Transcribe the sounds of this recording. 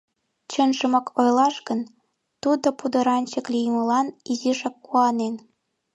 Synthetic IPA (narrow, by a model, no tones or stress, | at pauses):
t͡ɕənʒə̆mɑkʰojlɑʃkən | t̪ud̪opud̪ɤ̆ɾɑnʲt͡ɕə̆klʲijmə̆lɑniziʃɑkːuɑnen